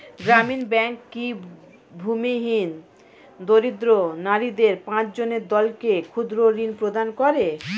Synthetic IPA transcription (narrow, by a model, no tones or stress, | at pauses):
ɡɾaminbɛŋkːi | bʱumiɦin | d̪oɾid̪ɾonaɾid̪eɾpãt͡ɕd͡ʑoneɾd̪ɔlkekʰud̪ɾoɾinpɾod̪ankɔɾe